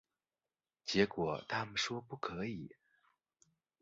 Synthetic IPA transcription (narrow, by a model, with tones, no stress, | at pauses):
t͡ɕjɛ˧˥kwɔ˨˩˦t̪ʰa˥mə˨nʂwɔ˥pu˥˩kʰɤ˧˥i˨˩˦